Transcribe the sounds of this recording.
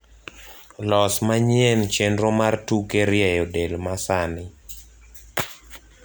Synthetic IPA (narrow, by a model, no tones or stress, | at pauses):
lɔsmaɲjent͡ʃendɾomartukeɾjɛjodelmasanɪ